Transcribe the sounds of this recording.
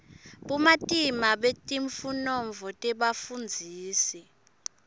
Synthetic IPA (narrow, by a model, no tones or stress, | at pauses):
ɓumatʼimaɓetʼiɱfunɔɱvʱɔtʼɛɓafund͡zʱiːsɛ